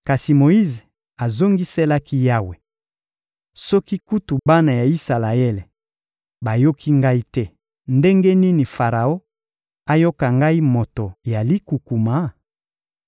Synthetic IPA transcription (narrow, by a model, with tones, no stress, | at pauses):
ka˨si˨mo˨i˦ze˨ | a˨zo˦ŋɡi˦se˦la˦ki˦ja˦we˨ | sɔ˦ki˦ku˦tu˨ba˦na˨ja˨i˦sa˨la˨ɛ˦le˨ | ba˨jo˦kʰi˦ŋɡa˦i˦tɛ˦ | nde˦ŋɡe˦ni˦ni˨fa˨ʁa˨o˦ | a˦jo˦ka˨ŋɡa˦i˦mo˨to˨ja˨li˦ku˨ku˨ma˨˦